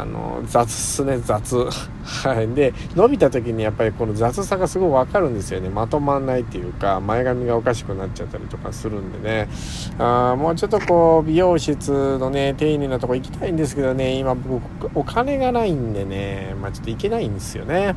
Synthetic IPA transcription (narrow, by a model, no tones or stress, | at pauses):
a̰no̰d͡zat͡sɨ̥sɨne̞d͡zat͡sɨ | hhad̪e̞ | no̞bʲit̪at̪o̞k̬ʲiɲ̟ijapːaɾʲiko̞no̞zat͡sɨsaɡasɨɡo̞iβakaɾɯ̟̃nd̪e̞sɨjo̞ne̞mat̪o̞manːait̪ːe̞jɯ̟ːkamae̞ɡamʲiɡao̞kaɕi̥kɯ̟natt͡ɕat̪ːaɾʲḭt̪o̞ka̰sɨɾɯ̟̃nd̪e̞̰ne̞ | ãmo̞ːt͡ɕo̞t̪ːo̞ko̞ːbʲijo̞ːɕit͡sɨno̞ne̞t̪e̞ːɲʲĩnːat̪o̞koikʲi̥t̪ʰaĩnd̪e̞s̬ɨ̥ke̞d̪o̞ne̞imabo̞kɯ | okʰane̞ɡanaĩnd̪e̞ne̞mat͡ɕo̞̥t̪ːoike̞naĩnd̪e̞sɨjo̞̰ne̞